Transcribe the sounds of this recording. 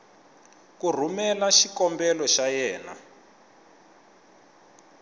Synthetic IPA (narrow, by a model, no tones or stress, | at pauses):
kur̤umɛlaʃikɔmbɛlɔʃajɛːna̰